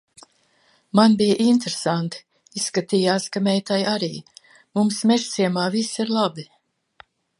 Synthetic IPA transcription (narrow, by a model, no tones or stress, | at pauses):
manbijʔint̪ɾesant̪ | isːkat̪iːjaːskamɛjt̪ajaɾiː | mumsmʲɛʒt̪siɛmaːvisiɾlˠabi